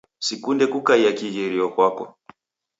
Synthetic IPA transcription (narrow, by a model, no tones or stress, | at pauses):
sikundɛkukaiakiɣɛɾiɔkwakɔ